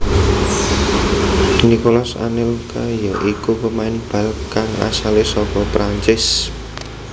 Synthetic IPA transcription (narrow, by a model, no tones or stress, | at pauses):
nikolasa̰nɪlkajɔʔikupəmaɪnb̥a̤lkaŋa̰salɪsɔpɔpɾaɲt͡ʃɪs